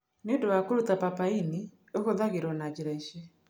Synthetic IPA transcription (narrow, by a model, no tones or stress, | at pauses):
nedowakuɾutapapaini | okoðaɣeɾɔnad͡ʒiɾaiʃɛ